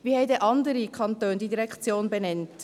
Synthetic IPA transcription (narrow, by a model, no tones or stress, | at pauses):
viːhɛɪtəʔɑndəɾikʰɑntøːndidiʁɛkt͡sjoːnbɛnɛnt